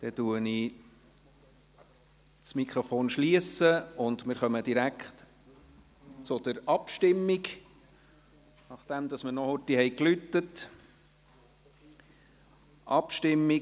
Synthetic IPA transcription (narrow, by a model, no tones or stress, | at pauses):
d̪̥ɛtuəni | t͡smikʰɾɔfoːnʃliəsəʊnd̪mɪːɾχœməd̥̪iɾækχt | t͡sʊd̪̥əɾɑpʃtɪmːiɡ | nɑχd̪̥ɛmd̪ɑsmənɔhʊtihɛɪklytːət | ʔɑpʃtɪmːi